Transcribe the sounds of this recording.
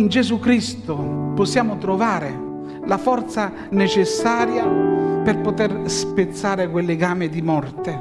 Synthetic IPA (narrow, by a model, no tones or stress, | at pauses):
ind͡ʒɛzukɾist̪ʊpɔsːjaːmʊt̪ɾovaːɾɪ | lafɔrt̪sa | net͡ʃɪsːaːɾjapɛrpot̪ɛrspɪt̪sːaːɾɪk̬welːɪɡaːmɪd̪imɔrt̪ɪ